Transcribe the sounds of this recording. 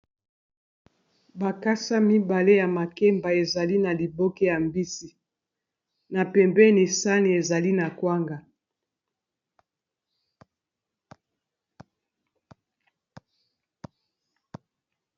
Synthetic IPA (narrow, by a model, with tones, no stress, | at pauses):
ba˨ka˦sa˦mi˦ba˨le˦ja˨ma˨ke˦mba˨e˨za˨li˦na˨li˨bo˦ke˦ja˨mbi˦si˨ | na˨pɛ˨mbɛ˦ne˨sa˦ni˨e˨za˨li˦na˨kwa˦ŋɡa˨